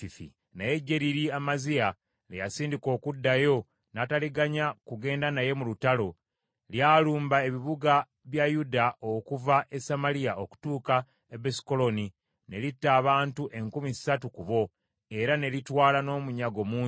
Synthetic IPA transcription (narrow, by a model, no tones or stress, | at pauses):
ifḭ | naje̞ɟːe̞ɾiɾiamazia | lejasiːndiko̞ːkudːajo̞ | nataliɡaɲakuɡe̞ːndanaje̞mulutalo̞ | ljaːluːmbae̞βiβuɡa | βjajudaʔokuvaʔe̞samaliaʔoku̥tuːka | ebesi̥ko̞lo̞ni | ne̞litːaːβaːntuʔe̞ŋkumizsatukuβo̞ | e̞ɾane̞litwaːlano̞ːmuɲaɡo̞muː